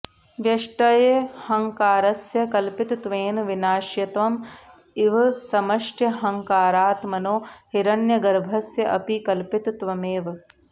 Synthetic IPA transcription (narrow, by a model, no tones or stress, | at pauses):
ʋjɐʂʈɐjehɐŋkaːɾɐsjɐkɐlpit̪t̪ʋeːnʋinaːʃjɐt̪ʋɐm | iʋɐsɐmɐʂʈʰjɐɦɐŋkaːɾaːt̪mɐnoːhiɾɐnjɐɡɐɾbʱɐsjɐʔɐpikɐlpit̪t̪ʋɐmeːʋɐ